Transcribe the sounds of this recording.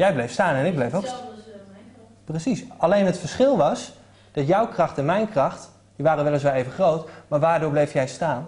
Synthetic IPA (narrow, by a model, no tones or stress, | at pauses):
jɛjblejfstaːnɛnɪɡ̚blejfok | prəsisɑlejnɦətfəɹsχɪlˠʋɑs | d̥ɑtjʌwkrɑχtɛnmɛjnkrɑχt | d̥iʋaːrəʋɛlˠəs̬ʋɛlˠejvəχrowtmaːɹʋaːɹdʊːɹblejfjɛjstaːn